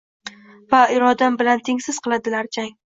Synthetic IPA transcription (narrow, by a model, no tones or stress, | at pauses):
vaɪɾɒd̪ambɪlant̪ʰeŋsɪz̥qʰɨlˠad̪ɪlaɾt͡ʃʰaŋ